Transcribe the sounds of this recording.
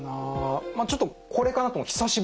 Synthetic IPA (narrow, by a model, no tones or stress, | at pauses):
namaːt͡ɕo̞t̪ːokʰo̞ɾe̞kanat̪omoçʲi̥saɕib